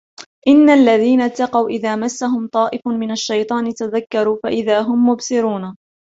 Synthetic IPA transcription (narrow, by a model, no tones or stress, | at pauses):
ʔɪnːalːaðiːnat̪ːɑqɑwʔɪðaːmasːaɦʊmt̪ˤɑːʔɪfmɪnaʃːajt̪ˤɑːnɪt̪aðakːɑɾuːfaʔɪðaːɦʊmːʊbsɪɾuːna